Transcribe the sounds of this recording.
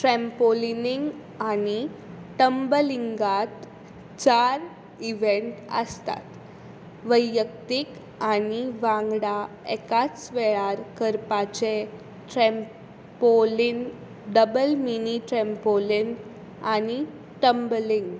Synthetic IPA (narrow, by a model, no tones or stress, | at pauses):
ʈɾɛmpoliniŋɡ | aniʈəmbəliŋɡat̪ | t͡saɾ | iʋeɳʈə̰st̪a̰t̪ | ʋəjːək̚t̪ik | aniʋãŋɡɽa | ekat͡sʋeɭaɾkəɾpat͡ɕe | ʈɾɛm | polin | ɖəbəlminiʈɾɛmpolin | ani | ʈəmbəliŋɡ